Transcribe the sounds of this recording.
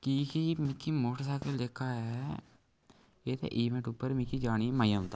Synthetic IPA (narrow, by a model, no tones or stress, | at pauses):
kiːkiːmɪkʰːiːmoːʈsaːkeleːkʰaːɛː | eːt̪ʰḛːʔiːmẽɳʈʊpːəɾmɪkiːd͡ʒaːñiːmaːijãːʊ̃nt̪aː